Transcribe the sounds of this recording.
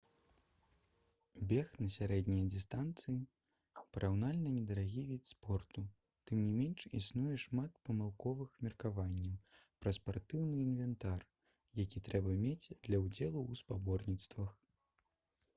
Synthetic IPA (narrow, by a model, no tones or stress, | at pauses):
bʲɛxnɐsʲaɾɛd̪nʲijɐd̪ʲist̪ant̪sɨji | pɐɾʔawnalʲnɐnʲɛd̪ɐɾaɣʲivʲit̪spɔrt̪u | t̪ɨmnʲimʲɛnʂisnujɛʂmat̪̚pɐmɨlˠkɔvɨxmʲirkavanʲːɐwpɾɐspart̪ɨwnɨinvʲɛnt̪ar | jakʲit̪ɾɛbɐmʲet͡sʲd̪lʲɐwd͡zʲɛlˠuːspabɔrnʲit̪st̪vɐx